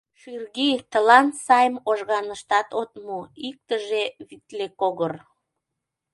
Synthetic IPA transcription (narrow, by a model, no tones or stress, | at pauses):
ʃyrɣit̪əlɑnsɑjmoʒɣɑnəʃt̪ɑt̪ot̪muik̚t̪əʒeβit̪lekoɣər